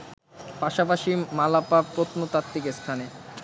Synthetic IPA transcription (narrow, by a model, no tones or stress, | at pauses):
paʃapaʃimalapapɾot̪ʰomot̪at̪ːikest̪ʰane